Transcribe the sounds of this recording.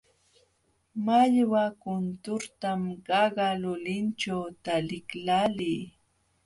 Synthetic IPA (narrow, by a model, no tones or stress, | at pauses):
maʎwakʊnt̪ʊɾt̪amɢɑɢɑlʊlɪnt͡ʃawt̪alɪklaliː